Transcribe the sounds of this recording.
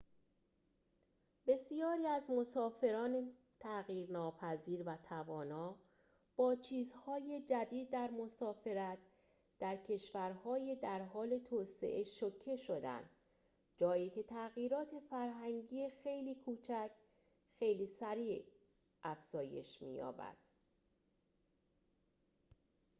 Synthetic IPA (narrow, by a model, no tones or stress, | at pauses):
b̥e̞sijɒːɾiːæzmo̞sɒːfe̞ɾɒːne | t̪ʰæɣiːɾnɒːpʰæziːɾvæt̪ʰævɒːnɒː | b̥ɒːt͡ʃʰiːzhɒːje̞d͡ʒæd̪iːd̪̚ːæɾmo̞sɒːfe̞ɾæt̪̚ | d̪̥æɾcʰe̞ʃvæɾhɒːjed̪æɾɦɒːle̞t̪ʰoːse̞̰ʔeʃocʰːe̞ʃod̪æ̰nd̪̥ | d͡ʒɒːjiːcʰe̞t̪ʰæɣiːɾɒːt̪ʰe̞fæɾɦæŋɟiːexe̞jliːkʰuːt͡ʃʰækʰ | xe̞jliːsæɾiː | ʔæfz̥ɒːje̞̰ʃmḭːjɒ̰ːbæ̰d̪̥